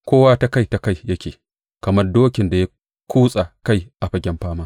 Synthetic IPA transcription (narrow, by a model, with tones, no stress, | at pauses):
kʷoː˦waː˦ta˦ka˦˨jta˨ka˦˨jjɐ˦kʲeː˨ | kɐ˨mɐ˦rdoː˦kʲɪ˨nda˨ja˦ | kʷʰuː˦sʼa˨ka˦jʔa˨ɸɐ˦ɡʲɛ˦mɸaː˦maː˦